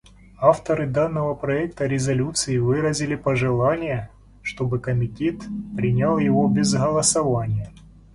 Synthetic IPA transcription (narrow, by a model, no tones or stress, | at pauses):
aft̪əɾɨd̪anːəvəpɾɐɛkt̪əɾʲɪzɐlʲut̪sɨɪvɨɾəzʲɪlʲɪpəʐɨlˠanʲɪjə | ʂt̪o̞bɨkəmʲɪtʲet̪pɾʲɪnʲalˠjɪvobʲɪzɣəlˠəsɐvanʲɪjə